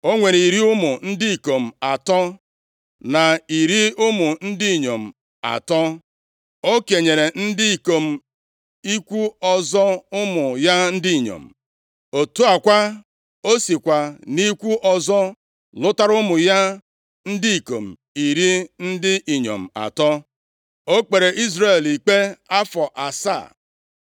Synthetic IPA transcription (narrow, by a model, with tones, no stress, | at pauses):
o˦ŋʷe˨ɾi˨ɾi˦ʊ˦mʊ˨n̩˦dɪ˦i˨ko˨m̩˨a˨tɔ˦ | na˨i˨ɾi˦ʊ˦mʊ˨n̩˦dɪ˦i˨ɲo˨m̩˨ | a̰˨tɔ˦ | o˦ke˨ɲe˨ɾe˨n̩˦dɪ˦i˨ko˨m̩˨ | i˦kʷu˦ɔ˨zɔ˦ʊ˦mʊ˨ja˦n̩˦dɪ˦i˨ɲo̰˨m̩˨ | o˨tu˦a˨kʷa˦ | o˦si˨kʷa˨ni˦kʷu˦ʔɔ˨zɔ˦ | lʊ˦ta˦ɾʊ˦mʊ˨ja˦ | n̩˦di˦i˨ko̰˨m̩˨ | i˨ɾi˦n̩˦dɪ˦ʔi˨ɲo̰˨m̩˨a̰˨tɔ˦ | o˦k͡pe˨ɾe˨ʔi˦zɾe˨li˨k͡pe˦a˦fɔ˨ʔa˨sa̰˦˨